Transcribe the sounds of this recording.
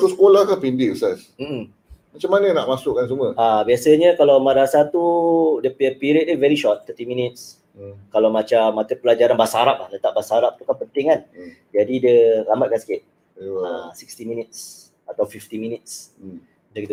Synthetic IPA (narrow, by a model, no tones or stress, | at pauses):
k̪usə̥kolahkanpindɪsas | m̩m̩ | mat͡ʃamːanənaʔmasʊkːans̬uməabiasəɲəkalawmadaasat̪udəppiɾiət̪ivɛɾiʃɔt̪̚ːət̪imĩnit̪̚s | kalawmat͡ʃamːat̪əpəlad͡ʒaɾanbasaɾap̚lahlət̪aʔ̚basaɾap̚t̪ukanpənt̪ɪŋan | d͡ʒadidiəɾamat̪̚kansə̥kɪt̪̚ | asikst̪iminit̪̚s | at̪awfift̪imĩnit̪̚s | dakit̪ə